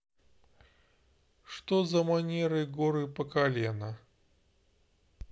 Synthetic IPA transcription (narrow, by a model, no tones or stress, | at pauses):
ʂt̪ozɐmanʲeɾɨɡoɾɨpəkalʲenə